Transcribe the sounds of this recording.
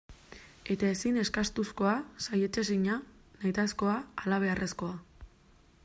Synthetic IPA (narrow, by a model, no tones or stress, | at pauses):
e̞t̪ae̞sine̞skast̪usko̞asajet͡ʃes̬iɲanajt̪asko̞aːlaβ̞e̞are̞sko̞a